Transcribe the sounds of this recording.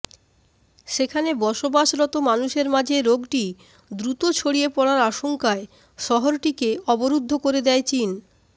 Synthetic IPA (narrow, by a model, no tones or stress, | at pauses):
ʃekʰanebɔʃobaʃɾɔt̪omanuʃeɾmad͡ʑʱeɾoɡʈi | d̪ɾut̪ot͡ɕʰoɽiepɔɽaɾaʃoŋkae | ʃɔɦoɾʈikeɔboɾud̪ʱːokoɾed̪ɛet͡ɕin